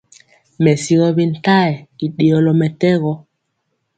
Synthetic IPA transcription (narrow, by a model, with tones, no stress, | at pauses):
mɛ˨si˦ɣɔ˦βi˦n̩˨ta˦ɛ˨i˨ɗe˨ɔ˨lɔ˨mɛ˨tɛ˦ɣɔ˦